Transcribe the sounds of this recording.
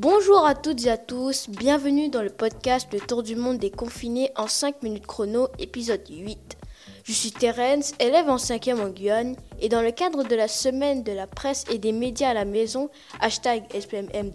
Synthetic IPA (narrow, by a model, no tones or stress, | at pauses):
bɔ̃ʒuʁat̪ut̪zeat̪usbjɛ̃vənyd̪ɑ̃ləpɔd̪̚kʲast̪lət̪uʁd̪ymɔ̃d̪ekɔ̃fineʔɑ̃sɛ̃kminyt̪kχonoepizɔd̪ɥit̪ | ʒ̥əsɥit̪eʁɛnselɛvɑ̃sɛ̃kʲjɛmɑ̃ɡʲɥɔned̪ɑ̃ləkad̪ʁəd̪əlasəmɛnd̪əlapχɛsed̪emed̪jaːlamezɔ̃ | aʃt̪aɡɛspɛmɛm